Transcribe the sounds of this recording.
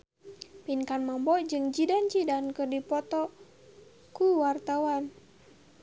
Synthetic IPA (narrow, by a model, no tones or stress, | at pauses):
pinkanmambɔd͡ʒɨŋd͡ʒidant͡ʃidankɨrdipɔt̪ɔ | kuwart̪awan